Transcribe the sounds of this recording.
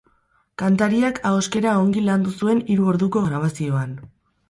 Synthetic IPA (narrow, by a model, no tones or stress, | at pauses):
kant̪aɾiakʰaoske̞ɾaoŋɡiland̪usue̞niɾuo̞ɾðuko̞ɣɾaβ̞asio̞an